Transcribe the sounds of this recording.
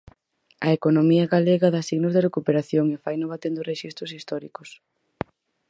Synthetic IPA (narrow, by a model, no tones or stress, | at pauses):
ɐekonomiɐɣaleɣɐðasiɣnʊzðɪrekupeɾaθjoŋefajnʊβat̪end̪ʊreʃist̪ɾʊsist̪ɔɾikʊs